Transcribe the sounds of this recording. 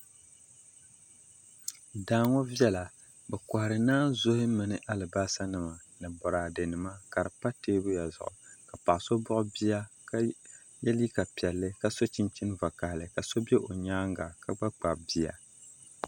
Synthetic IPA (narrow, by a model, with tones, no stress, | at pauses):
daː˦ŋo˦vjɛ˦la˨ | bɛ˨ka˨hɾɨ˨naː˦zo˦hɪ˦mɨ˨nɨ˦ʔa˦lɨ˨ba˦sa˦nɨ˨ma˨nɨ˨bɔ˨ɾaː˨dɨ˨nɨ˨ma˦ka˨ɾɨ˨pa˦teː˦bʊ˦ja˨zʊ̰˨ʔʊ˨ka˨pa˨ʔso˦bʊ˦ʔʊ˦bi˦ja˦ka˦ | jɛ˦li˦ka˨pi˨ɛ˨lːɨ˦ka˨so˦t͡ʃi˦nt͡ʃi˦n˦va˨ka˨hlɨ˨ka˨so˦be˦ʔo˨ɲaː˦ŋɡa˨ka˦ɡ͡ba˦k͡pa˨bi˦a̰˨